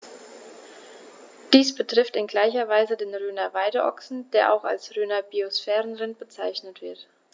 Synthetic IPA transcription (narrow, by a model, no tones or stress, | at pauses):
d̥iːsb̥ətʁ̥ɪftɪnɡlaɪçɐvaɪzədeːnʁyːnɐvaɪdəʔɔ̰ksn̩d̥eːɐʔa̰ʊxa̰lsʁyːnɐbiosfɛːʁənʁɪntb̥ət͡saɪçnətv̥ɪɐt